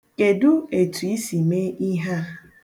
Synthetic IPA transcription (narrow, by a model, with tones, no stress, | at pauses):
ke˨dʊ˦e˨tu˨i˦si˨me˦i˦ɦa˦